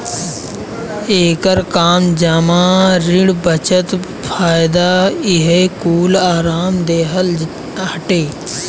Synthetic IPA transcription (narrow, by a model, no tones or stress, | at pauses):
eːkəɾkaːmd͡ʒamaːɾɪɽbət͡ʃət̪ | pʰaːjɪd̪aːɪɦekuːlaːɾaːmd̪eːɦəl | ɦɐʈeː